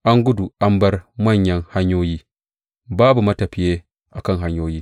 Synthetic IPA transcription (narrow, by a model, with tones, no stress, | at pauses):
ʔa˦ŋɡʊ˦du˨ʔa˦mbɐ˦rmɐ˦˨ɲjɐ˦ŋha˦ɲjoː˦jiː˦ | baː˦bu˨mɐ˦tɐ˨ɸi˦je˦ | ʔa˨kɐ˦˨ŋɦa˦ɲjoː˦jiː˦